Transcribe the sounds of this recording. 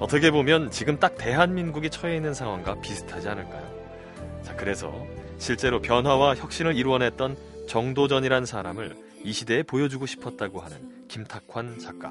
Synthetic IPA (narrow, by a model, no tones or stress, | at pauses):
ʌt͈ʌkʰe̞bomjʌnt͡ɕiɡɯmt͈ak̚te̞ɦanminɡuɡit͡ɕʰʌe̞inːɯnsʰaŋɦwaŋɡapisʰɯ̥tʰad͡ʑianɯɭk͈a̰jo̰ | t͡ɕakɯɾe̞sʰʌ̰ | ɕʰiɭt͡ɕ͈e̞ɾopjʌnɦwawaçjʌk̚ɕ͈inɯɾiɾwʌnɦe̞t̚t͈ʌn | t͡ɕʌŋdod͡ʑʌɲiɾaɯnsʰaɾa̰mɯɭ | iɕʰide̞ːpojʌd͡ʑuɡoɕʰi̥pʰʌt̚t͈aɡohanɯ̰n | kimtʰakʰwant͡ɕak͈̚a̰